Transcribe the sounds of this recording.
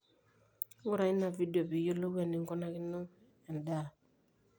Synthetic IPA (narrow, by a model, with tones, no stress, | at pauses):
ŋu˦ɾa˨i˦na˨vi˦di˨o˨bi˨jo˦lo˦wɛ˨ni˨ŋɡo˦na˦ki˦no˦ | ɛ˨n˨da˦˨